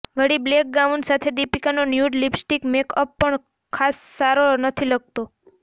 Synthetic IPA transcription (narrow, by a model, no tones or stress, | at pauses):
ʋəɽiblek̚ɡaʋunsat̪ʰed̪ipikanonjuɖlibsʈikmekəpːəɳ | kʰasːaɾonət̪ʰiləɡ̚t̪o